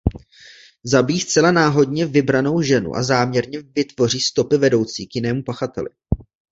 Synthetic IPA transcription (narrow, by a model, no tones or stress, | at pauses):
zabijiːst͡sɛlanaːɦo̞dɲɛvɪbɾano̞wʒɛnṵʔa̰zaːmɲɛɾɲɛvɪt̪vo̞r̝iːst̪o̞pɪvɛdo̞wt͡siːkjɪnɛːmupaxat̪ɛ̰lɪ̰